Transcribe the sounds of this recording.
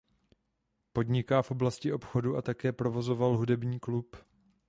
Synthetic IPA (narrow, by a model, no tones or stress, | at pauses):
po̞dɲɪkaːfʔo̞blascɪʔo̞pxo̞duʔat̪akɛːpɾo̞vo̞zo̞valɦudɛbɲiːklup